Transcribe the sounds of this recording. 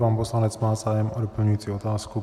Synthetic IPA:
paːnpo̞slanɛt͡smaːzaːjɛmʔodopl̩ɲujiːt͡siːo̞t̪aːsku

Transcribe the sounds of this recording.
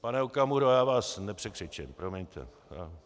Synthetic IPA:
panɛukamuɾojaːvaːsnɛpr̥ɛkɪt͡ʃɛmpɾomɛɲt̪ɛ̰ | a

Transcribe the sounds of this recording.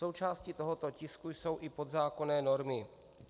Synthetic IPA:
o̞wt͡ʃaːscit̪oɦot̪o̞cɪskujso̞wʔɪpo̞d̪zaːko̞nɛːno̞ɾmɪ

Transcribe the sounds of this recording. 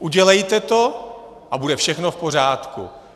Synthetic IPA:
ʔuɟɛlɛjt̪ɛt̪o̞ | ʔabudɛfʃɛxno̞fpo̞raːt̪kṵ

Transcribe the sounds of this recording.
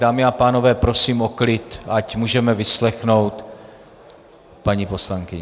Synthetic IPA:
daːmɪapaːno̞vɛːpɾo̞siːmo̞klɪt̪acmuːʒɛmɛvɪslɛxno̞wt̪ | paɲipo̞slaŋkɪɲɛ

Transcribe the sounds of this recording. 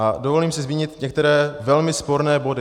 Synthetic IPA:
ʔadovo̞liːmsɪzmiːɲɪt̪ɲɛk̚t̪ɛɾɛːvɛlmɪspo̞ɾnɛːbo̞dɪ

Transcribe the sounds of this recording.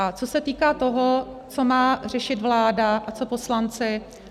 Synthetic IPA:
at͡so̞sɛt̪iːkaːt̪o̞ɦot͡so̞maːr̝ɛʃɪt̪vlaːdaʔat͡so̞po̞slant͡sɪ

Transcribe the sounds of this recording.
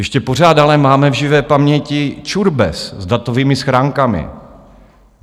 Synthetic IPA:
jɛʃcɛpor̝aːd̪alɛmaːmɛvʒɪvɛːpamɲɛcɪt͡ʃuɾbɛ̰szd̪at̪oviːmɪsxɾaːŋkamɪ̰

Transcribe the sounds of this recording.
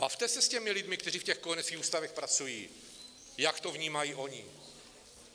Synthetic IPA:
b̥aft̪ɛsɛscɛmɪlɪd̪mɪkt̪ɛriːfcɛxkonɛt͡skʲiːxuːst̪avɛxpɾat͡sujiː | jakt̪o̞vɲiːmajiːʔo̞ɲɪ̰

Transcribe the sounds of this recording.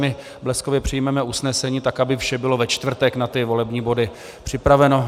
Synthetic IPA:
mɪ | blɛsko̞vjɛpr̥ɪjmɛmɛusnɛsɛɲiːt̪akabɪfʃɛbɪlo̞vɛt͡ʃt̪vr̩t̪ɛknat̪ɪvo̞lɛbɲiːbo̞dɪ | pr̝̥ɪpɾavɛno̞

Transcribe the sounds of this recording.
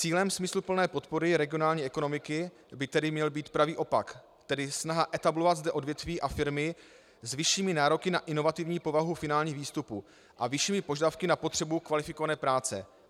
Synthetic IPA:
t͡siːlɛmsmɪslupl̩nɛːpo̞t̪po̞ɾɪɾɛɡɪonaːlɲiːɛko̞no̞mɪkɪ | bɪt̪ɛdɪmɲɛlbiːt̪pɾaviːʔo̞pak | t̪ɛdɪsnaɦaʔɛt̪ablo̞vad̪zdɛʔo̞dvjɛt̪viːʔafɪɾmɪ | zvɪʃiːmɪnaːɾo̞kɪnaʔɪno̞vat̪ɪvɲiːpo̞vaɦufɪnaːlɲiːɣviːst̪upu | ʔavɪʃiːmɪpo̞ʒadafkɪnapo̞t̪r̥ɛbukvalɪfɪkovanɛːpɾaːt͡sɛ̰

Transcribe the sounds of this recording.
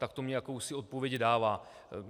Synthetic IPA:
t̪akt̪o̞mɲɛjakowsɪo̞t̪̚po̞vjɛɟdaːvaː

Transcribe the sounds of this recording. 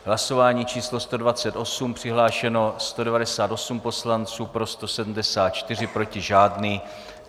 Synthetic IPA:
ɦlaso̞vaːɲiːt͡ʃiːslo̞st̪o̞dvat͡sɛt̪ʔo̞sumpr̥ɪɦlaːʃɛno̞st̪o̞dɛvadɛsaːt̪o̞sumpo̞slant͡suːpɾo̞st̪o̞sɛdm̩dɛsaːt̪̚t͡ʃt̪ɪr̝ɪpɾo̞cɪʒaːdniː

